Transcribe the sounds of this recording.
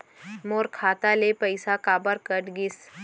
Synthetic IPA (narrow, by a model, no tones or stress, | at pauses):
moːɾkʰaːt̪alepəɪsakaːbəɾkəʈɡɪs